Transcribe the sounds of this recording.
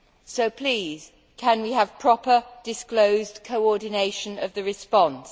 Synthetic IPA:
soʊpʰl̥iːz̥ | kʰə̃nwiəv̥pʰɹ̥ɒpəd̥ɪskloʊzkʰəʊɔdⁿn̩eɪʃə̃nəvðəɹɪspɒ̃ns

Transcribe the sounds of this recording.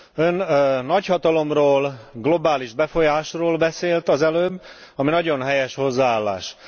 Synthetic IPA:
ønnːɒchɒt̪ɒlo̞mroːlɡlo̞baːliʒbɛfo̞jaːʃroːlbɛseːlt̪ɒzɛløːbːɒminɒɟo̞nɦɛjɛʃho̞zːaaːlːa̰ːʃ

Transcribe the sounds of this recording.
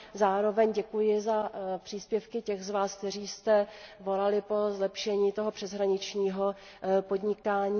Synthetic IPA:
zaːɾo̞vɛɲɟɛkujɪzapr̥iːspjɛfkɪcɛxzvaːsk̚t̪ɛriːst̪ɛvo̞lalɪpo̞zlɛpʃɛɲiːt̪oɦo̞pr̥ɛzɦɾaɲɪt͡ʃɲiːɦo̞ | po̞d̪ɲɪkaːɲiː

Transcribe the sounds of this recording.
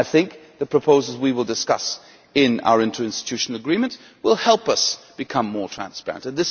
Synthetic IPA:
aɪθɪ̃ŋk̚ðɨpʰɹ̥ɨpʰoʊzl̩ˠzwiwəlˠdɨskʌ̰s | ɪ̃na̰ʊə˞ɪ̃ntʰə˞ɪ̃nstɨ̥tʰʉʃn̩l̩ˠəɡɹĩmɨ̃nʔ | wɪlˠhɛlˠpʌsb̥ɨkʰʌ̃mːɔɹtʰɹ̥æ̰̃nspɛ̰ɹɨ̃ntɨ̃nðɪs

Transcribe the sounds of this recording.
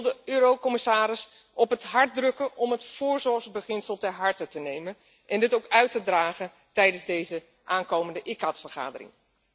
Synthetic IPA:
lˠdəøːɾowkɔmɪsaːɾɪs | ʔɔpɦətɦɑɹt̚drɵkənɔmɦətfʊːɹzɔɹχzbəχɪnsəlˠtɛɹɦɑɹtətənejmən | ʔɛndɪtowkœɥtədraːχən | tɛjdənzdejzə | ʔaːnkowməndəʔɪkɑtfəɹχa̰ːdərɪ̰ŋ

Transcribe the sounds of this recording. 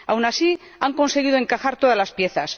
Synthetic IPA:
awnasi | aŋko̞nse̞ɣ̞iðoe̞ŋkaxaɾt̪o̞ðazlaspje̞θas

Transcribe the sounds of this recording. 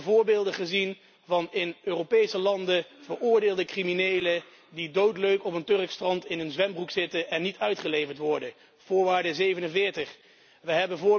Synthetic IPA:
vʊːɹbɪːlˠdəχəzin | vɑnɪnøːropejsəlɑndəv̥əɹʊːɹdeːlˠdəkriminejlə | didowtløɥkɔpəntɵrkstrɑntɪnənzʋɛmbruksɪtəʔɛnːitʰœɥtχəlejvəɹtʋɔɹdə | v̥ʊːɹʋaːɹdəzejvənənvɪːɹtəχ | ʋəɦɛbəvʊː

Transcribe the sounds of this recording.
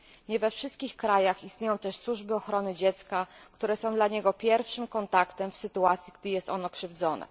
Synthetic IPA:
ɲɛvɛfʂɘst̪̚kʲixkɾajaxist̪ɲejɔ̃w̃t̪ɛʂswuʐbɘɔxɾɔnɘd͡ʑɛt̪skakt̪uɾɛsɔ̃w̃d̪laɲɛɡɔpʲjɛɾfʂɘmkɔnt̪akt̪ɛmfsɘt̪uat̪sʲjiɡ̚d̪ɘjɛst̪ɔnɔkʂɘvd̪zɔnɛ̰

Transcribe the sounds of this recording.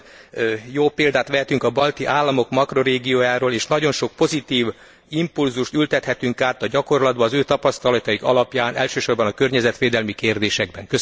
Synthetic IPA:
joːpeːld̪aːt̪ʋɛɦɛt̪yŋkɒbɒlt̪iʔaːlːɒmo̞kmɒkro̞ɾeːɡijoːjaːɾoːleːʃnɒɟo̞nʃo̞k̚po̞zit̪iːv | impulzuʃt̪ylt̪ɛt̪hɛt̪yŋkaːt̪ɒɟɒko̞rlɒd̪bɒːzøːt̪ɒpɒst̪ɒlɒt̪ɒiɡɒ̰lɒpjaːnʔɛ̰lʃøːʃo̞rbɒnɒkø̞rɲɛzɛt̪ʋeːd̪ɛlmikeːrd̪eːʃɛɡbɛŋkø

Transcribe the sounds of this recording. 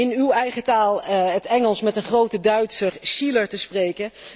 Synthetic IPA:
ɪnywɛjχətaːlˠətɛŋəlˠsmɛtənχrowtədœɥtsərʃiləɹtəsprejkə

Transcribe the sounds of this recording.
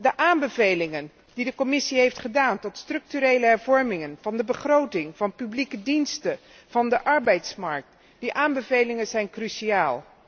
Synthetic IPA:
dəʔaːmbəvejlɪŋən | d̥idəkɔmɪsiɦejftχədaːntɔtstrɵk̚tyɾejləɦɛɹvɔɹmɪŋənvɑndəbəχrowtɪŋv̥ɑnpyblikədinstə | v̥ɑndəʔɑɹbɛjtsmɑɹk̚t | diʔaːmbəvejlɪŋənzɛjnkryʃiaːlˠ

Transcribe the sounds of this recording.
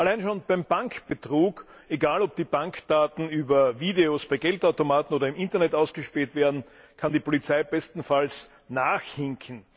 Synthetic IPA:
ʔalaɪnʃoːnb̥æɪmbaŋkb̥ətʁuːk | eɡaːlɔb̚d̥iːbãŋkd̥aːtn̩yːbɐviːdeosb̥aɪɡɛltaʊtomaːtn̩oːdɾɐɪmʔɪntɐnɛtaʊsɡ̥əʃpiːltv̥eːɐdn̩ | kʰandiːpʰolit͡saɪb̥ɛstn̩fals | naːxhɪŋkʰn̩

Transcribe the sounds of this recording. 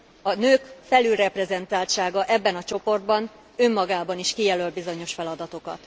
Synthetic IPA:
ɒnøːkfɛlylrɛprɛzɛnt̪aːlʃaːɡɒʔɛbːɛnɒt͡ʃo̞po̞rd̪̚bɒn | ømːɒɡaːbɒniʃkijɛlølbizo̞ɲo̞ʃfɛlɒd̪ɒt̪o̞kɒ̰t̪

